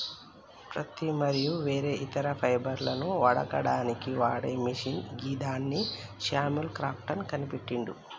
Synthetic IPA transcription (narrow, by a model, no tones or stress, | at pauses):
pɾɐt̪imɐɾijuʋe̞ːɾe̞ːʔit̪ɐɾɐpʰɐjbɐɾlɐnuʋɐɽɐ̰kɐɽaːnikiʋaːɽeːmiʂinɡiːd̪aːnːiʃaːmulkɾaːp̚ʈɐnkɐnipeʈːiɳɖṵ